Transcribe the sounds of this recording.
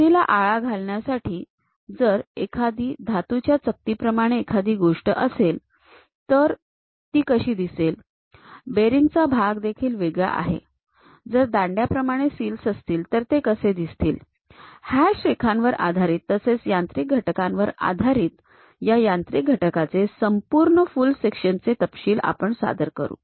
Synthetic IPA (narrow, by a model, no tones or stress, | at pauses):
t̪ila̰ʔaɭaɡʱalɳjasaʈʰiː | d͡zəɾekʰad̪iːd̪ʱat̪ut͡ɕjat͡sək̚t̪iːpɾəmaɽ̃eːkʰad̪iːɡoʂʈə̰ʔəsel | t̪əɾ | t̪iːkəɕiːd̪isel | beɾiŋɡt͡sabʱaɡd̪ekʰiːlʋeɡja̰ʔa̰ɦḛ | d͡zəɾd̪aɳɖjapɾəmaɽ̃esiːlsəst̪iːlt̪əɾt̪ekəsed̪ist̪ḭːl | hjaɕɾekʰãnʋəɾa̰d̪ʱaɾiːt̪ːəset͡sjant̪ɾik̚ɡʱəʈkãnʋəɾa̰d̪ʱaɾiːt̪ | jajant̪ɾik̚ɡʱəʈkat͡sesəmpuɾɳəfulsekʂənt͡set̪əpɕiːla̰pəɳsa̰d̪əɾkə̰ɾṵː